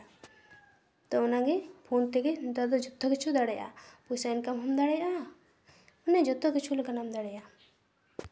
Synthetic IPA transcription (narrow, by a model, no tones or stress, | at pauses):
t̪ɔɔnaɡepʰunt̪ɛɡed̪ɔd̪ɔd͡ʒɔt̪ːɔkit͡ʃʰud̪aɽɛjʔa̰pusankamɦɔmd̪aɽɛjʔa | ɔnɛd͡ʒɔt̪ːɔkit͡ʃʰulɔkanamd̪aɽɛja